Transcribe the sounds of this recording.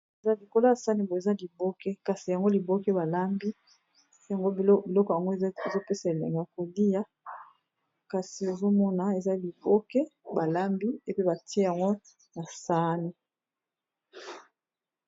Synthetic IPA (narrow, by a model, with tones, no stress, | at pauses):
e˨za˦li˨ko˦la˦ja˨sa˦ni˨bo˨e˨za˦li˨bo˦kɛ˦ka˨si˨ja˨ŋɡo˦li˨bo˦kɛ˦ba˨la˦mbi˦˨˦ | a˨ŋɡo˦bi˨lɔ˦kɔ˨ja˨ŋɡo˦˨˦e˨zo˦pe˦sa˨e˨lḛ˨ŋɡa˨ko˨li˦ja˦ | ka˨si˨e˨zo˦mɔ˦na˨e˨za˦li˨bo˦kɛ˦ba˨la˦mbi˦e˨pba˨ti˦e˦ja˨ŋɡo˦ | na˨sa˦ni˦